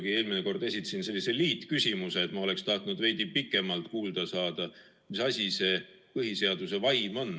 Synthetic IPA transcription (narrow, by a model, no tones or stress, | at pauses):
ɡ̥ie̞ːlmineko̞rd̪̥e̞s̬ʲit̪ːˑɑ̥sinse̞lːise̞liːt̪ːˑkysʲimuse̞ːt̪mɑo̞le̞kst̪ɑht̪nud̪̥ve̞jd̪̥ipikːˑe̞mɑlt̪kuːld̪̥ɑsɑːd̪̥ɑ | misɑsʲise̞ | pɤɦise̞ɑd̪̥use̞vɑjmo̞n